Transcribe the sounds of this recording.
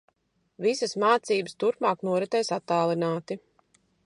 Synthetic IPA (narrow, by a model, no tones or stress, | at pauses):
visəsmaːt̪siːbəst̪uɾpmaːknuɔɾɛt̪ɛjsat̪ːaːlˠinaːt̪i